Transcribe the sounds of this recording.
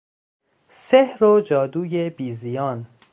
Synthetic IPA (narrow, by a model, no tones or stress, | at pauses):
sehɾod͡ʒɒːd̪uːjebiːzijɒːn